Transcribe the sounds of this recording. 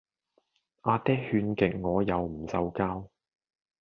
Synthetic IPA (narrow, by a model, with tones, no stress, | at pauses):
ʔaː˧t̪ɛː˥hyː˧nkɪ˨k̚ŋɔː˨˧jɐ˨˧wm̩˨˩sɐ˧wkaː˥w